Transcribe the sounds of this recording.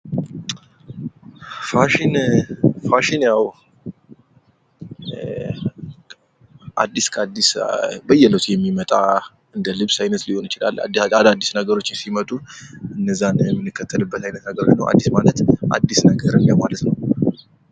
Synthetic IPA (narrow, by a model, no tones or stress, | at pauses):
faʃinfaʃinjaw | ʔa̰d̪ːiskʰəad̪ːisbəjːɛləwt̪jɛmːimət̪ʼa | ɨnd̪əlɨβsajnət̪liho̞nit͡ʃɪla̰l̰ːad̪ad̪ːisnəɡəɾo̞t͡ʃːɪnsimət̪ʼuɨnːəzːanjɛmːɨnːɨkːət̪ʰːəlɨbːət̪ajnət̪nəɡəɾo̞̰t͡ʃnəwʔa̰d̪ːismalət̪ʔa̰d̪ːisnəɡəɾɨnjawmalət̪nəw